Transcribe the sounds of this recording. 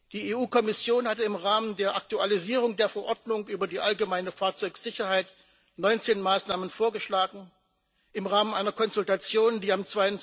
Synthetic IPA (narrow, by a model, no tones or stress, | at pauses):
d̥iːeːʔuːkʰɔmɪsjoːnhatəɪmʁaːməndeːɐʔak̚tualiziːʁʊŋdeːɐfɛɐʔɔɐdnʊŋʔyːbɐdiːʔalɡəmaɪnəfaːɐt͡sɔʏkz̥ɪçɐhaɪt | nɔʏnt͡seːnmaːsnaːmənfoːɐɡəʃlaːɡŋ̩ | ʔɪmʁaːmənʔaɪnɐkʰɔnzʊltat͡sjoːndiːamt͡sv̥aɪən